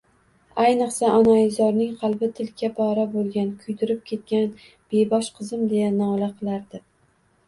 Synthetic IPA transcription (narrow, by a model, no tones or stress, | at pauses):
ajnɨqsaʔɒnaɪzɒɾnɪŋqʰɑlˠbɪt̪ʰɪlkʲʰapʰɒɾabolˠɡʲankʰʊjd̪ɪɾɪp̚kʲʰe̞t̪̚kʲan | b̥e̞bɒʃqʰɨzɪmd̪ejanɒlaqʰɨlˠaɾd̪ɪ